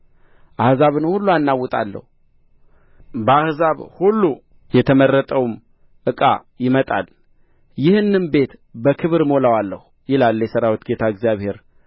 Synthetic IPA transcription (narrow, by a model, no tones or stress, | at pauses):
ʔahzaβɨnhulːuanːawːɔt̪ʼa̰lːə̰hu | bəahzaβhulːu | jɛt̪ʰəmərːət̪ʼəwm | ʔɨkʼa | jɪmət̪ʼa̰l | jɪhɨnːɨnbe̞t̪bəkʰɨβɨɾmo̞lawalːə̰hu | jɪlalːjɛsəɾawot̪ɡet̪ʰaɨɡzijaβhe̞ɾ